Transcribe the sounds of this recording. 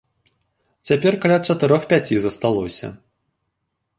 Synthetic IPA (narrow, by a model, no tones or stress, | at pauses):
t͡sʲapʲɛrkalʲat̪t͡ʂɐt̪ɨɾɔxpʲat͡sʲizɐst̪alˠɔsʲɐ̰